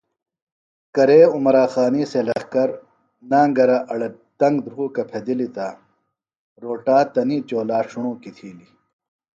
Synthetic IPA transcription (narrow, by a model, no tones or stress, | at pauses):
kɐɾeːumɾaːxaːniːselɐxkɐɾ | naːŋɡɐɾaʔɐɽɐ | d̪ɐŋɡd̪ɾuːkɐpʰed̪ilit̪aː | ɾoːʈaːt̪ɐniːt͡ɕoːlaːʂuɳ̃õːkit̪ʰiːli